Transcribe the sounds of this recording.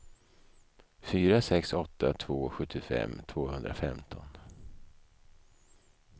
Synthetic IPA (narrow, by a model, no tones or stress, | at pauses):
fyːɾasɛksɔt̪ʰːat̪ʰvoːɧɵt̪ʰːɪfɛ̰mːt̪ʰv̥oːhɵnd̪ɾa̰fɛmt̪ʰɔn